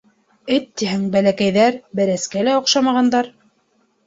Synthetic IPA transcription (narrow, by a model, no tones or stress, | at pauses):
ɘt̪ːiɦɘŋbælækæjðæɾbæɾæskælæŏqʃɑmɑʁɑnd̪ɑɾ